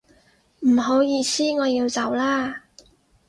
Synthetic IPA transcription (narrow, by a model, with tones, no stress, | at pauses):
m̩˨˩ɦo˨˥wjiː˨˧siː˥ŋɔː˨˧jiː˧wt͡sɐ˨˥wlaː˥